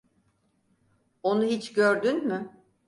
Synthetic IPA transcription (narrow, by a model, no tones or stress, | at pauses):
o̞nuɦit͡ʃɟøɾd̪ynmʏ